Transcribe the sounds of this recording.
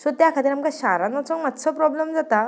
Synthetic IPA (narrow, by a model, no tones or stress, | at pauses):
sɔt̪jakʰat̪iːɾamkaɕaɾanat͡sɔmat̪sɔpɾɔblemd͡zat̪a